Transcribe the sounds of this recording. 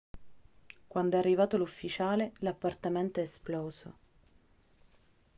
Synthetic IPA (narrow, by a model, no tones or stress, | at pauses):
kwand̪oɛarːivaːt̪olufːit͡ʃaːlelapːart̪ament̪oɛsplɔːzo̰